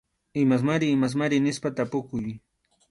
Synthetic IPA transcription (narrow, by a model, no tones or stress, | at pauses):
ɪmas̬maɾɪːmas̬maɾɪnɪspat̪apʊkʊj